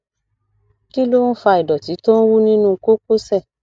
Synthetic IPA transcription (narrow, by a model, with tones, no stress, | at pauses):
ki˦lo˦n̩˦fa˧i˨dɔ˨ti˨˦to˦n̩˦wu˦nĩ˦nũ˧˦ko˦ko˦sɛ˦˨